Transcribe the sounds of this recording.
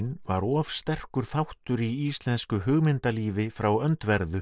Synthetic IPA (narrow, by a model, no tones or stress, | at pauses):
nva̰ɾɔːvst̪ɛr̥kʏɾ̥θawht̪ʏɾiist̪lɛnskʏɦʏɣmɪnt̪aliːvɪfɾawœnt̪vɛɾðʏ